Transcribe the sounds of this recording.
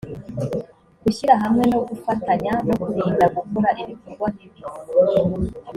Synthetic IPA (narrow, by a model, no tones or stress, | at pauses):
ɡ̥uʃiɾaɦamŋe̞no̞ɡufataɲano̞kuɾeːndaɡukuɾaʔiɾikuɡoniβi